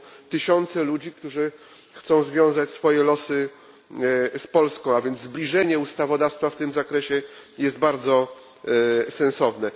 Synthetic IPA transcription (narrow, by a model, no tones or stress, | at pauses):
t̪ɘɕɔnt̪sɛlud͡ʑikt̪uʐɘ | xt̪sɔ̃w̃zvʲjɔ̃w̃zat͡ɕsfɔjɛlɔsɘ | spɔlskɔ̃w̃avʲjɛnd̪zblʲiʐɛɲɛust̪avɔd̪afst̪faft̪ɘmzakɾɛɕɛjɛzd̪̚baɾd̪zɔ | sɛ̃nsɔvnɛ